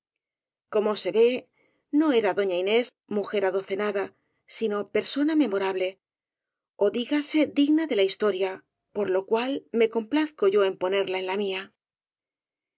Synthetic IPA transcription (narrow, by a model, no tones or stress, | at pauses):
ko̞mo̞se̞βe̞ | no̞e̞ɾaðo̞ɲaine̞z | muxe̞ɾaðo̞θe̞naða | sino̞pe̞ɾso̞name̞mo̞ɾaβle̞ | o̞ðiɣase̞ðiɣnaðe̞laist̪o̞ɾja | po̞ɾlo̞kwalme̞ko̞mplaθko̞ʝo̞e̞mpo̞ne̞ɾlae̞nlamia